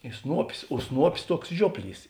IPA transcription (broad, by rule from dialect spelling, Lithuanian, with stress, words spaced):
ɪ ˈsnuɔpʲɪs oː ˈsnuɔpʲɪs ˈtuɔks ˈʒʲuɔpʲˌlʲiːs